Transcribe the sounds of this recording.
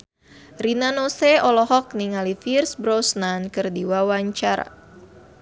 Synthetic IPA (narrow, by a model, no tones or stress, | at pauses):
rinanoseɔlɔɦɔk̚niŋalifirsbɾɔsnankɨrdiwawaɲt͡ʃaɾa̰